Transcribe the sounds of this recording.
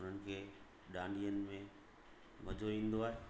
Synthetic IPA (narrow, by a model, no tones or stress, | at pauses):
ʊn̤ənɪ̆kʰeː | ɗãːɳɖijənɪ̆mẽ | mɐd͡ʑʱoʋĩːn̆d̪oaːɦeː